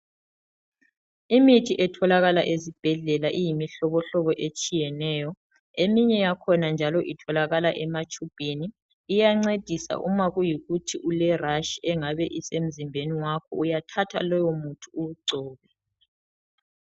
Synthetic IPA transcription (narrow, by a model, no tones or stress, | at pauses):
imitʰiʔɛtʰɔlaɣalaʔezib̥ʱɛɮɛlaʔijimiɬɔβɔɬɔβɔʔet͡ʃʼijɛnɛːjɔ | emiɲɛjakʰɔnand͡ʒʱalɔʔitʰɔlaɣalaʔɛmat͡ʃʼub̥ʱeniː | jaŋ͡ǀed̥ʱisa̰ʔṵmaɣujiɣutʰiʔulɛraʃiɛŋaβɛʔisem̩zimbʱeniwakʰɔ̰ujatʰatʰa̰lɔjɔmutʰuuuǀʱɔːɣɛ